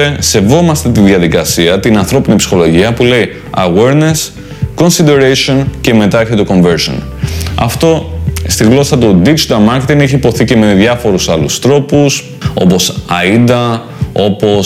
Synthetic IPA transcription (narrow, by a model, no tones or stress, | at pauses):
ese̞vo̞mɐst̪et̪iðʝɐðikɐsiɐt̪inɐnθɾo̞pinipsi̥xo̞lo̞ʝiɐpule̞i | ɐɣwe̞ɾne̞s | ko̞nsid̪e̞ɾeso̞nce̞me̞t̪ɐeçet̪oko̞ɱve̞ɾso̰n | ɐ̰ft̪o̞st̪iɣlo̞sɐt̪od̪id͡ʒit̪ɐlmɐɾcet̪ineçipo̞θice̞me̞ðʝɐfo̞ɾusɐlust̪ɾo̞pus | o̞̰po̞sɐid̪ɐ | o̞po̞